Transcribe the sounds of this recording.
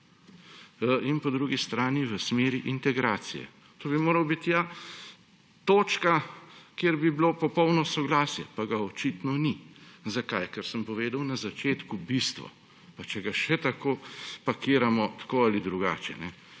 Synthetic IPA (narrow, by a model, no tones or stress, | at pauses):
inpɔd̪ɾuːɡist̪ɾaːniʋəsmeːɾiʔint̪ɛɡɾaːt̪sijɛ̰ | t̪oːbimoːɾɐwbit̪ja | t̪oːt͡ʃkakjeːɾbiblopɔpɔwnɔsɔɡlaːsjɛ̰paɡaɔt͡ʃit̪nɔnizakajkəɾsəmpɔʋeːd̪ɐwnazat͡ʃeːt̪kubist̪ʋɔ̰ | pat͡ʃɛɡaʃɛt̪akoːpɐkiːɾamɔt̪ḁkoːalid̪ɾuɡa̰ːt͡ʃɛ̰nɛ